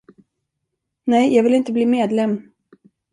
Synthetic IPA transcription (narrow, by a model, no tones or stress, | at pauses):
nɛjjɑːɡvɪlɪnt̪əbliːmeːd̪lɛmː